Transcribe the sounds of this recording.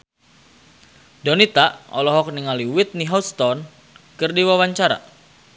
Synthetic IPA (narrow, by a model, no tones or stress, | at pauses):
dɔnit̪aʔɔ̰lɔɦɔk̚niŋaliwit̪̚niɦɔst̪ɔn | kɨrdiwawaɲt͡ʃaɾa̰